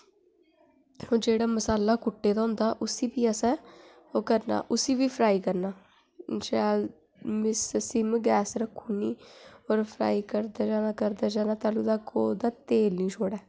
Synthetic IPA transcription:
oːd͡ʒeːɽaːməsaːlaːkʊʈːeːd̪aːõːnd̪aːʔʊsiːpiːəsɛ̃ː | oːkəɾna̰ːʔʊsiːʋiːpʰɾaːiːkəɾnaː | d͡ʒaː | mɪssɪmɡɛːsɾəkʰːũːniːoːɾpʰɾa̰ːiːkəɾd̪aːd͡ʒaːnaːkəɾd̪aːd͡ʒaːnaːt̪aːluːd̪aːkoːd̪aːt̪eːlnĩːt͡ʃʰoːɽɛː

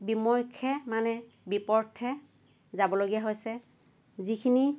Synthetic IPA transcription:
bimɔɹkʰɛmanɛ | bipɔɹtʰɛ | zabɔloɡijaɦojsɛ | zikʰini

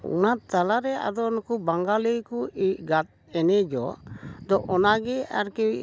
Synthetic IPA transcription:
ɔ̰nat̪alaɾɛa̰d̪ɔnakubaŋɡaləjkuiʔ̚ɡat̪̚ | ɛnɛd͡ʒɔd̪ɔʔɔnaɡɛaɾki

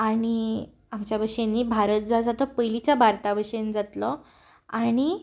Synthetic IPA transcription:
aɽ̃i | amt͡ɕjabəʂenːiːbʱaɾət̪̚d͡zad͡zat̪ɔpəjlit͡sabʱaɾt̪abəɕend͡zat̪lɔ | aɽ̃i

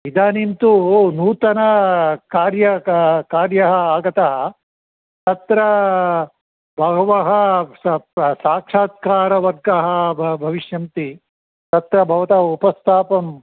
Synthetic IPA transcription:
ʋid̪aːnint̪unuːt̪ɐnɐkaːɾjɐkaːɾjɐɦɐaːɡɐt̪ɐɦɐ | t̪ɐt̪ɾɐ | bʱɐɡɐʋɐɦɐ̆ | saːkʂaːt̪̚kaːɾɐʋɐɾɡɐɦɐ̆bʱbʱɐʋiʃjɐnt̪i | t̪ɐt̪ɾɐbʱɐʋɐt̪ɐupɐst̪ʰaːpɐm

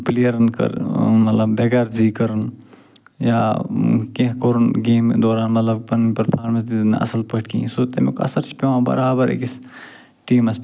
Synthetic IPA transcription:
plijɐɾɐnkɐ̰ɾmɐt̪lɐbbeɡɐɾziːkɐɾɨn | jaːkẽɦkoɾunɡeːmd̪oːɾaːnmɐt̪lɐb̚pɐnpɐɾpʰaːɾmɐsizn̰ɐ̰sɐlpɐʈ̚ʰkḭ̃soːt̪ɐmekɐ̰sɐɾt͡ʃʰi̥pʲeʋãbɐ̰ɾaːbɐɾḛkis | ʈiːmɐs

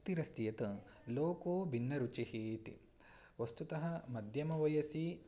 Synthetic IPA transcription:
t̪iɾɐst̪ijɐt̪ɨ | loːkoːbʱinːɐɾut͡ʃihiːt̪ḭ | ʋɐst̪ut̪ɐɦɐ̆mɐd̪ʱjɐmɐʋɐjɐsi

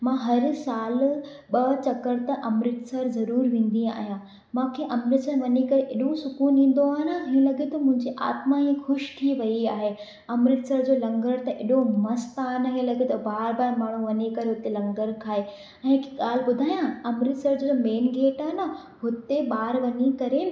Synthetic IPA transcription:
mãːɦɐɾsaːl | ɓɐt͡ɕɐkəɾt̪ɐʔɐmɾɪt̪sɐɾzɐɾuːɾʋẽːn̆d̪ia̰ːɦijã | mãːkʰeːʔɐmɾɪt̪sʋɐɲikɐɾeʔɪɗosʊkuːnĩːn̆d̪oaːɦɪnə̆ɦĩːɐ̃lɐɡet̪ɐmʊ̃ɦɪ̃ɲd͡ʑiʔa̰ːt̪mãɦĩːxʊʃt̪ʰiʋɐiaːɦe | ɐmɾɪt̪səɾd͡ʑoːlɐ̃ŋɡəɾt̪ɐʔɪɗomɐst̪aːnɐɦelɐɡet̪ɐbaːɾbaːɾmaːɳ̤uʋɐɲikɐɾeɦʊt̪elɐ̃ŋɡəɾkʰaːɦe | ɛ̃ːkɠaːl̤ɪ̆ɓʊd̪ʱaːijãɐmɾɪt̪səɾd͡ʑomeːnɡeːʈaːɦenɐ | ɦʊt̪eɓaːɾʋɐɲikɐɾe

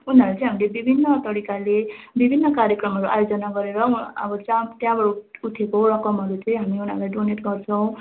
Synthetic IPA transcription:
unʌɾt͡sʌ̃ĩɦamilebibʱinːʌt̪ʌɾikalebibʱinːʌkaɾjekrʌmɦʌɾuʔa̰jod͡zʌnaɡʌɾeɾʌʌ̰bʌt͡sãt̪jãbʌɾuut̪ʰekoɾʌkʌmɦʌɾut͡sʌĩɦamiun̤alajɖoneʈɡʌrt͡sʰʌw̃

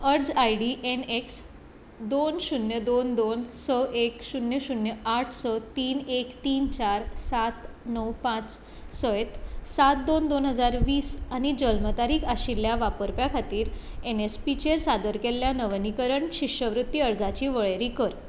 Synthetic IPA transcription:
əɾd͡zajɖiʔeneks | d̪onɕunjəd̪ond̪onsɔʔekɕunjəɕunjəaʈʰsɔt̪iːnekt̪iːnt͡ɕaɾsat̪nəwpãt͡s | sɔjt̪sat̪̚d̪ond̪onɦəd͡zaɾʋiːsañid͡ʑəlmət̪aɾiːkaɕilːjaʋapəɾpjakʰat̪iːɾ | enespit͡ɕeɾsad̪əɾkeljanəʋnikəɾəɳɕiɕəʋɾut̪ːiəɾd͡zat͡ɕiːʋəɭeɾiːkəɾ

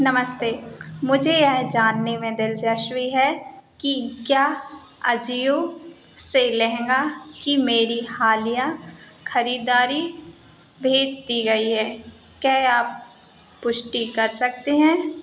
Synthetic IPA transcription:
nɐməst̪eːmʊd͡ʒʱeɛɦd͡ʒaːnːemẽd̪ɪld͡ʒɐʃwiɦɛkikjaː | ɐ̰d͡ʒijõ | selɛɦɛ̃ŋɡakimeːɾihaːlija | xɐɾiːd̪aːɾi | bʱeːd͡ʒt̪iɡɐiɦɛː | kjaːɦeaːp̚ː | ʊʃʈikɐɾsɐk̚t̪eɦɛ̃ː

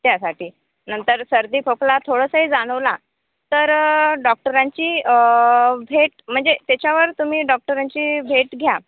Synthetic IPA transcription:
t̪jasaʈiː | nənt̪əɾsəɾd̪iːfoklat̪ʰoɽəsəɦiːd͡zaɽ̃əʋla | t̪əɾɖɔk̚ʈəɾãɲt͡ɕiː | bʱeʈ̚m̤əɳd͡zet̪et͡ɕjaʋəɾt̪um̤iːɖɔk̚ʈəɾãɲt͡ɕiːbʱeʈɡʱja

